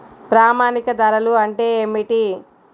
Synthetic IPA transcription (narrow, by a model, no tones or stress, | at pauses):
pɾaːmaːnikɐd̪ɐɾɐluɐɳʈe̞ːeːmiʈi